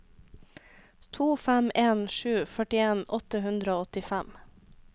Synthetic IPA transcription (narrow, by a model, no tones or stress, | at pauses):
t̪ʰuːfæmeːnʃʉːfœʈɪeːnɔt̪əhʉnd̪ɾəoːɔt̪ɪfæm